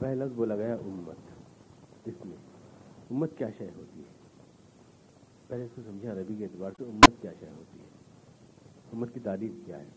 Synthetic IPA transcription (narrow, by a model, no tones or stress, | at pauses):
pɛɦlazbolaɡɐjaʔʊmːə̰t̪ | ɪsmḛ̃ʊmːət̪kjaːʃajɦoːt̪iɦɛː | pɛːleɪskosɐ̃md͡ʒʱãɾɐbikeeːt̪ɪbaːɾseʊmːət̪kja̰ːʃɐ̰jɦoːt̪iɦɛː | ʊmːət̪̚kit̪aːɾiːfkja̰ːɦɛː